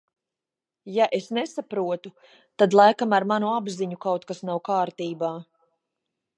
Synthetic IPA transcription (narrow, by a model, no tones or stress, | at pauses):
jaʔesnɛsapɾuɔt̪u | t̪ad̪lˠajkamaɾmanuabziɲukawt̪kasnawkaːɾt̪iːbaː